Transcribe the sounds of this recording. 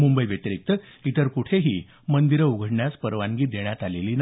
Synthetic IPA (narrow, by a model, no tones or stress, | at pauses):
mumbəjʋjət̪əɾik̚t̪əit̪əɾkuʈʰeɦiː | mənd̪iɾəuɡʱəɽɳjaspəɾʋãŋɡiːd̪eɳ̃jat̪aleliːna